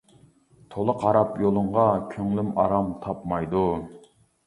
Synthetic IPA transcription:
t̪ʰolˠəqɑɾɑpjolˠʊɴʁɑkʲʰøŋlymɑɾɑmt̪ʰɑpmɑjd̪u

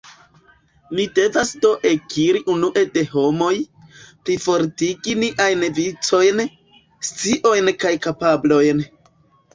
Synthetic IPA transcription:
mide̞vasdo̞ʔekiɾiʔunuʔe̞de̞ɦo̞mo̞j | pɾifo̞ɾtiɡiniʔajnvit͡so̞jn | st͡siʔo̞jnkajkapablo̞jn

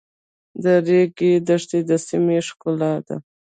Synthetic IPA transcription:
d̪əɾeɡed̪əʂt̪ed̪əsimeʂkʊlɑd̪a̰

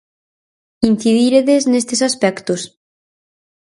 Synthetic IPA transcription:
in̟θiðiɾeðeznest̪esaspɛkt̪os

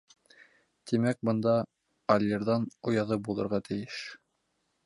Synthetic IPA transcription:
t̪imæk̚bɤ̆nd̪ɑ | ɐlʲːeɾðɑnŏjɑðɤbulˠɤ̆ɾʁɑt̪ʰɘ̆jɘʃ

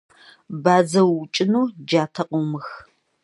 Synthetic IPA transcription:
baːzɐwʊt͡ʃʼɪnuːd͡ʒaːtʰɐqʼomɨx

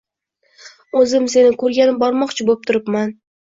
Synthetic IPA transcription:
ɵzɪmse̞nɪkʰɵɾɡʲanɪmbɒɾmɒqt͡ʃʰɪbop̚t̪ʰʊɾɪpman

